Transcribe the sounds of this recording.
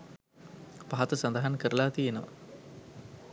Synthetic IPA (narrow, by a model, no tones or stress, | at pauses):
baɦɐt̪ɐsɐnd̪ɐɦɐnkɐɾɐlaːt̪ijenɐmɐ̰